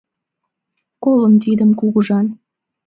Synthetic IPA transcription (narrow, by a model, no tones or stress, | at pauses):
koləmt̪̬id̪əmkuɣəʒɑn